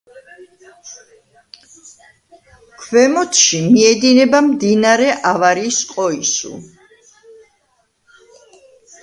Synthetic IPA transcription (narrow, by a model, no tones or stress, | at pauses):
kʰvɛmɔt̪ʰʃimiɛd̪inɛbamd̪inaɾɛʔavaɾisqʼɔisṵ